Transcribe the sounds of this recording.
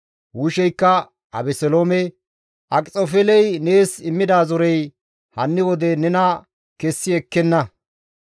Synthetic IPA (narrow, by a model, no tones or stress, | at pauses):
wuʃɛjkːɐ | ɐ̰bɛsɛloːmɛ | ʔɐkʼt͡sʼofɛlɛjne̞ːsɪmːɪd̪aːzɔɾɛj | hɐnːɪwɔd̪ɛnɛnɐ | kɛsːɪɛkːɛnːɐ